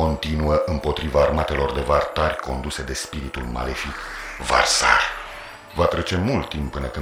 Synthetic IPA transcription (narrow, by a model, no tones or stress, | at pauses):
o̞nt̪inuəʔɨmpo̞t̪ɾivaːrmat̪e̞lo̞rd̪e̞vart̪arʲko̞nd̪use̞d̪e̞spiɾit̪ulma̰lefik | va̰rsa̰rʲ | vat̪ɾe̞t͡ʃe̞mult̪ːimpːɨnəkɨ